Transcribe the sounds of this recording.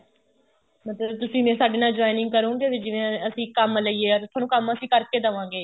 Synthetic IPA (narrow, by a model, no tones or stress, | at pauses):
mət̪ləbt̪ʊsĩːmɛ̃ːsaːɖeːnaːd͡ʒaːinɪ̃ŋɡ̚kəɾũːɡeːʋɪd͡ʒɪʋẽːəsĩːkəmləiːeːɔːɾt̪ʰwaːnũːkəməsĩːkəɾkeːd̪əʋãːɡeː